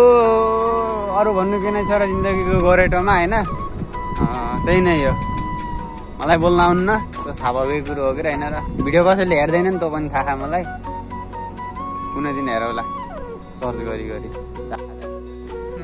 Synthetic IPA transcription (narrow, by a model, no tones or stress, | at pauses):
o | ʌɾubʱʌnːuk̬inʌjt͡sʰʌɾʌd͡zind̪ʌɡikoɡʌɾeʈomaɦʌjnʌ | t̪einʌjjo | mʌlajbolnaunːʌt̪osʰabʱʌɡekuɾuɦokeɾʌɦʌjnʌɾʌbʱiɽijokʌsʌjleɦerd̪ʌjnʌnt̪opʌnit̪ʰakʰamʌlaj | kunʌjd̪inɦeɾʌwla | sʌrd͡zɡʌɾiɡʌɾi | d͡za̰nata